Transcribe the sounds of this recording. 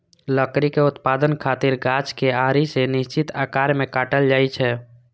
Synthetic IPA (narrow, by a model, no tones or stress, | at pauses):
ləkɾikeʊt̪paːd̪ənkʰat̪ɪɾɡat͡ʃkeaɾisenɪst͡ʃɪt̪akaɾmẽkaːʈəld͡ʒaːit͡ʃʰɛ